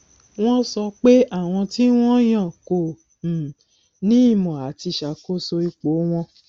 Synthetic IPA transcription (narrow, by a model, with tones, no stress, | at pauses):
w̃ɔ̃˦sɔ˧k͡pe˦ʔa˦˨w̃ɔ̃˧ti˦w̃ɔ̃˦j̃ã˦˨ko˨ | nĩ˦i˦˨mɔ̃˨a˨ti˧ʃa˨ko˦so˧i˧k͡po˨˦w̃ɔ̃˧